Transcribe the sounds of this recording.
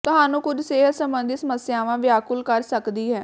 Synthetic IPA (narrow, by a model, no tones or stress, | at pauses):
t̪ʊɦaːnũːkʊd͡ʒseːsəmbənd̪isəməsɪjaːʋãːʋɪaːkʊlkəɾsəkd̪iːɦɛː